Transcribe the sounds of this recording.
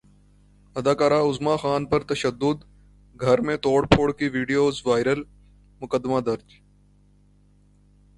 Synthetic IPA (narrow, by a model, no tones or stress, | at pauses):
ɐd̪aːkaːɾaʊzmaxaːnpɐɾt̪ɐʃəd̪ːʊd̪ | ɡʱɐɾmẽt̪oːɽpʰoːɽkiʋiːɖijoːzʋaːɪɾəl | mʊkəd̪ːmad̪ɐɾd͡ʒ